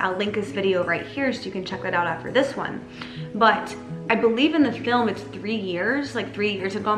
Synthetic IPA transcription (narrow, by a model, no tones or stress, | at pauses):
ʔa̰ɪlɪ̃ŋk̚ɨsvɪɾioʊɹaɪt̚hiɹsoʊjɨkɨ̃nt͡ʃʰɛk̚ðɨɾaʊɾæftə̰˞ðɪswʌ̰̃n | bʌɾ | ʔaɪbəlivɨ̃nðɨfɪlˠmɨtsθɹijɪɹz̥laɪk̚θɹijɪɹz̥ɨvɡõ